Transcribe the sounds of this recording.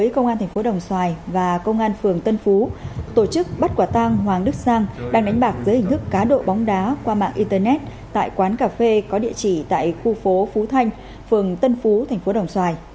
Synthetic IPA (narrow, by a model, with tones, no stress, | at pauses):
ə˨˦jkə˧wŋ͡mʔaː˧nt̪ʰɛ˨˩ŋ̟fo˨˦ɗə˨˩wŋ͡mswaː˨˩jvaː˨˩kə˧wŋ͡mʔaː˧nfɨ˨˩əŋt̪ə˧nfu˨˦t̪o˧˩t͡ɕɨ˦˥k̚ɓə˦˥t̚kwaː˧˩t̪a˧ŋɦwaː˨˩ŋɗɨ˦˥k̚saː˧ŋɗaː˧ŋɗa˨˦ŋ̟ɓaː˨˩k̚zɨː˨˦jï˨˩ŋ̟t̪ʰɨ˦˥kːaː˨˦ɗo̰˧˨ɓɔ˨˦wŋ͡mɗaː˨˦kwaː˧ma̰ː˧˨ŋʔi˧t̪ə˧˩nɛ˦˥t̚ | t̪a̰ː˧˨jkwaː˨˦nkaː˧˩fe˧kɔ˨˦ɗḭ˧˨ət͡ɕi˧˩t̪a̰ː˧˨jxu˧fo˨˦fu˨˦t̪ʰa˧jŋ̟ | fɨ˨˩əŋt̪ə˧nfu˨˦t̪ʰa˨˩ŋ̟fo˨˦ɗə˨˩wŋ͡mswaː˨˩j